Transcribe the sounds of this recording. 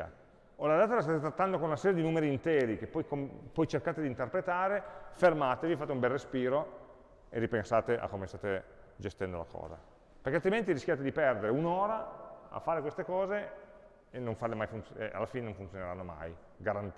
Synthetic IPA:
a̰ | olad̪aːt̪alast̪aːt̪et̪ɾat̪ːand̪okonunasɛːɾjed̪inuːmeɾiːnt̪ɛːɾik̟epːɔjkompɔjt͡ʃerkaːt̪ed̪int̪erpɾet̪aːɾefermaːt̪evifat̪eumbɛlrespiːɾo | ḛripensaːt̪eʔa̰kːomest̪aːt̪e | d͡ʒest̪ɛnd̪ola̰kʰɔ̰ːza̰ | peɾkealt̪ɾiment̪iɾiskʲjaːt̪̬ed̪ipɛrd̪eɾeunoːɾaa̰fːaːɾekwest̪ekɔːze | enːoɱfarlemajfunt̪sʔa̰lːafinenõɱfunt̪joneɾanːoma̰j | ɡaɾant̪

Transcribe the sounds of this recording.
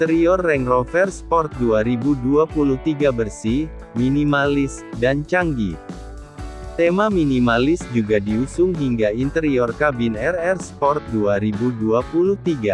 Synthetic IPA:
t̪əɾiɔrːɛŋrɔfɛrspɔrt̪̚duaɾibuduapuluht̪iɡabərsi | minimalɪs | dant͡ʃaŋɡi | t̪emaminimalɪsd͡ʒuɡadiusʊŋɦiŋɡaint̪əɾiɔrkabinɛrɛrspɔrt̪̚duaɾibuduapuluht̪iɡa

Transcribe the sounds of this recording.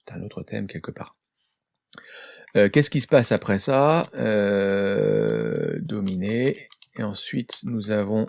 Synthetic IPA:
sɛ̥t̪ɛ̃not̪χət̪ʰɛ̰mkʲɛlkəpa̰ːʁ | økʲɛskʲisə̥pasapχɛsaø̰ | d̪ɔmineːɑ̃sɥit̪nuzavɔ̃

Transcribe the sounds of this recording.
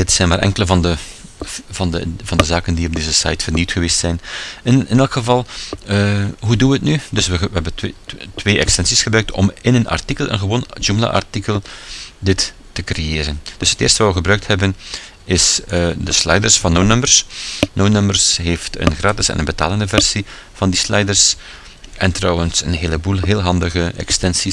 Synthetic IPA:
dɪtsɛjnmaːrʔɛ̰ŋkələvɑndə | vɑndəvɑndəzaːkəndiɔb̚deːzəsa̰jtfərniwtxəʋeːstsɛjnnɪnɛlˠkxəvɑlˠəɦuduʋəətnydɵsʋəʋəɦɛbəntʋeːʔɛkstɛnsisxəbrœɥk̚tʰɔ̰mɪnənɑ̰rtikəlˠə̰nɣəʋoːnʒuməla̰ʔa̰rtikəlˠdɪtː | əkrejeːɾənd̥ɵsɦə̥tɪ̰ːrstəʋaːʋəɣəbrœɥk̚thɛbən | ɪsədəslɛ̰jdərsfɑnːonœmbərsnownœmbərsɦeːftə̰nɣraːtɪsɛ̰nənbəta̰ːləndəvɛrsi | v̥ɑndislɛjdərs | ʔɛntrɔwənsənɦeːləbuːlˠɦeːlˠɦɑndəɣəʔɛ̰kstɛnsi

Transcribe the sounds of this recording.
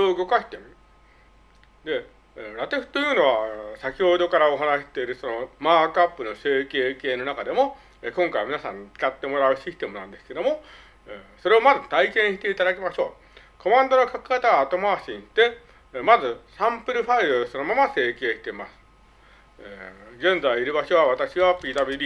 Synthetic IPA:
oɯ̟ɡo̞kaɕi̥t̪emɯ | d̪e̞ | ɾat̪e̞ɸɯ̟̥t̪ojɯ̟ːno̞βasakʲjood̪o̞kaɾao̞ɦanaɕi̥t̪e̞iɾɯ̟so̞no̞maːkapːɯ̟no̞se̞ːke̞ːke̞ːno̞nakad̪e̞mo̞ | eːkõ̞ŋkaiamʲinasãɲ̟t͡si̥kat̪ːe̞mo̞ɾaɯ̟ɕisɨ̥t̪e̞mɯ̟nãnd̪e̞sɨ̥ke̞d̪o̞mo̞ | so̞ɾe̞o̞mazɨt̪aikẽ̞ɰ̃ɕi̥t̪e̞it̪ad̪akʲimaɕo̞ː | ko̞mãnd̪o̞no̞kakɯ̥kat̪aɡaːt̪o̞maːɕĩnt̪e̞ | mazɨsãmpɯ̟ɾɯ̟ɸaiɯso̞no̞mamase̞ːke̞ːɕi̥t̪e̞masɨ̥ | eɡẽ̞nd͡zaiːɾɯ̟baɕoβ̞aβat̪aɕiβapʲiːd̪abʲiɾʲi

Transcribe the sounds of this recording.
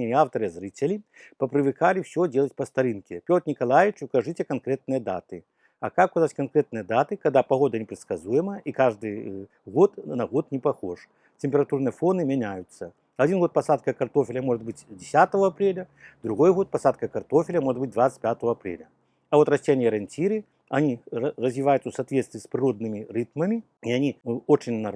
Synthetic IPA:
enʲaft̪əɾɨɐzɾɨtʲɪlʲipɐpɾɨvɨkalʲɪfsʲodʲelˠətʲpɐst̪ɐɾɨnkʲɪpʲot̪nʲɪkɐlˠajʲɪt͡ʃʊkɐʐɨtʲɛkɐnkɾʲet̪̚nɨjəd̪a̰t̪ɨ | ɐ̰kakʊkɐzatʲkɐnkɾʲet̪̚nɨjəd̪at̪ɨkɐɣd̪apɐɣo̞d̪ɐnʲɪpɾʲɪt̪skɐzujɪmɐikaʐd̪ɨj | ɣot̪nɐɣot̪nʲɪpɐxoʂ | tʲɪmʲpʲɪɾɐt̪urnɨjəfˠonɨmʲɪnʲajʊt̪sːɐ | ɐd͡zʲinɣot̪̚pɐsat̪̚kɐkart̪ofʲɪlʲɐmɔʐɨd̪bɨt͡sʲd͡zʲɪsʲat̪əvɐɐpɾʲelʲɐ | d̪ɾuɣojɣɔt̪̚pɐsat̪̚kɐkart̪ofʲɪlʲɐmɔʐɨt̪̚bɨt̚ʲd̪vat̪sə̥t͡sʲpʲat̪əvɐɐpɾʲḛlʲɐ | ɐvɔt̪rɐsʲtʲenʲijɐɾɐnʲt͡sʲiɾɨ | ɐnʲirɐzʲvʲɪvajut̪səsat̪vʲet̪st̪vʲiːspɾʲɨɾod̪̚nɨmʲirɨt̪mɐmʲi | iɐnʲiot͡ʃɪnʲnɐ

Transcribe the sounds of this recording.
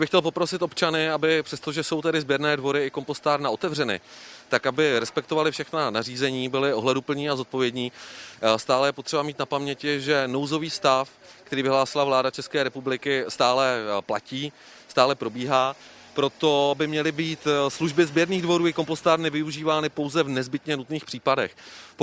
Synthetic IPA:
jabɪxcɛlpo̞pɾo̞sɪt̪ʔopt͡ʃanɪabɪpr̥ɛst̪o̞ʒɛso̞wt̪ɛdɪzbjɛɾnɛːdvo̞ɾɪɪkompo̞st̪aːɾnaot̪ɛvr̝ɛnɪ̰t̪akabɪɾɛspɛk̚t̪ovalɪfʃɛxnanariːzɛɲiːbɪlɪo̞ɦlɛdupl̩ɲiːazo̞t̪̚po̞vjɛdɲiːst̪aːlɛjɛpo̞t̪r̥ɛbamiːt̪̚napamɲɛcɪʒɛno̞wzo̞viːst̪af | kt̪ɛɾiːvɪɦlaːsɪlavlaːdat͡ʃɛskɛːɾɛpublɪkɪst̪aːlɛplaciː | st̪aːlɛpɾo̞biːɦaː | pɾo̞t̪o̞bɪmɲɛlɪbiːt̪sluʒbɪzbjɛɾniːɣdvo̞ɾuːɪko̞mpo̞st̪aːɾnɪvɪuʒiːvaːnɪpo̞wzɛvnɛzbɪt̪ɲɛnut̪niːxpr̥iːpadɛx

